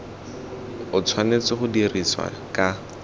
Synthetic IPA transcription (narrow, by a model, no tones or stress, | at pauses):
ʊt͡sʰwanet͡sɪχʊdiriswa̰kʼa